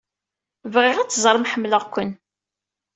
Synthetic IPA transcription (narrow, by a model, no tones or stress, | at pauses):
vʁɪʁæt͡sːzˤɾˤəmħəmːləʁkʷən